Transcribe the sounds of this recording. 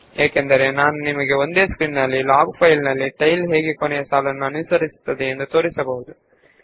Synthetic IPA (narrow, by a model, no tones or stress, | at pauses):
eːkend̪ɐɾe̞naːnunimɐɡe̞o̞nd̪e̞ːskɾiːnnɐlːilaːɡpʰɐjlnɐlːiʈɐjlɦe̞ːɡekonɛjɐsaːlɐnːuɐnusɐɾisu̥t̪ːɐd̪eend̪ut̪o̞ːɾisɐbɐɦud̪u